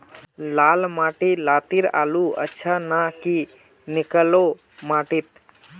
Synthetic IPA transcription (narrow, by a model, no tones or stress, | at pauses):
lalmaʈilat̪iɾa̰luə̰tːʃʰanaki | nikəlo | maʈit̪